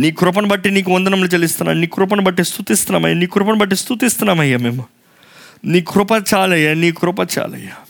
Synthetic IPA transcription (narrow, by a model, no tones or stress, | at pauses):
nikʰɾop̬ɐɳbɐʈːinikond̪ənɐmlet͡ɕɐlist̪na̰nikʰɾop̬ɐɳbɐʈːist̪ut̪ist̪nama̰jnikʰɾopɐɳbɐʈːist̪ut̪ist̪namaɦjamem | nikʰɾopat̪̚t͡ʃalɐjanikʰɾopat̪t͡ʃa̰lə̰ja